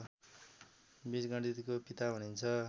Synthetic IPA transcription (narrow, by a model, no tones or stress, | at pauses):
bisɡʌɽdit̪ikopit̪aɦunint͡sʰʌ